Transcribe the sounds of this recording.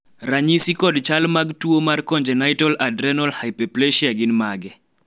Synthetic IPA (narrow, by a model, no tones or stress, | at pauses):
raɲisikɔdt͡ʃalmaɡtuomarkɔɲd͡ʒɛnajtɔladɾɛnɔlhajpɛplɛʃiaɡɪnmaɡɛ